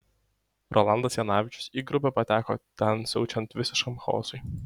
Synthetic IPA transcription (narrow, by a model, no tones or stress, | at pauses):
ɾʔɔlˠɑnd̪ɐsjɛnɑːʋʲɪt͡ʃʲʊ̥siɡɾʊpʲɛpɐt̪ʲæːko̰t̪ʲɛnsʲɛʊt͡ʃʲɛnt̪ʋʲɪsʲɪʃkɐmxɔ̰ːsʊɪ